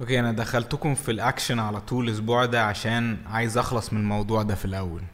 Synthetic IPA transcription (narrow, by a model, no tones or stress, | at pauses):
ʔokeːʔænæd̪æxælt̪okomfilʔækʃænʕalæt̪ˤuːlelʔos̬buːʕd̪æʕaʃæːnʕaːjezʔɑxlɑsˤmenelmɑwd̪ˤuːʕd̪æfilʔæwːæl